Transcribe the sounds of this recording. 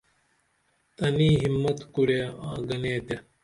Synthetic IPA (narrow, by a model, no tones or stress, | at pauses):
t̪ɐniːɦimːɐt̪kuɽeaːɡɐneːt̪e